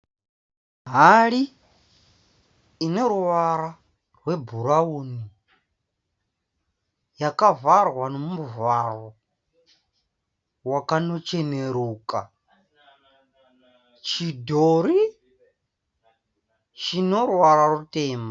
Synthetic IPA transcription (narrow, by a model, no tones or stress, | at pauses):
ɦaɺi | nɛɾuwaɾa | rwɛbuɾauni | jakʼavarwanomvaɺɔ | wakʼanɔt͡ʃʰʼɛneɾuːkʼa | t͡ʃʰidoɾi | t͡ʃʰinɔɾwaɾaɾutʼɛːma